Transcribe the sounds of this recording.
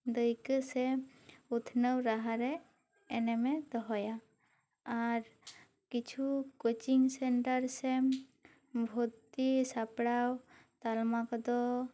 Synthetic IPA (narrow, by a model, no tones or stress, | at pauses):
d̪əjkəsɛut̪ʰnəwɾaɦaɾɛː | nɛmɛd̪ɔɦɔja | aɾ | kit͡ʃʰukot͡ʃiŋsɛɳʈaɾsɛ | bʱot̪isapɽaw | t̪almakɔd̪ɔ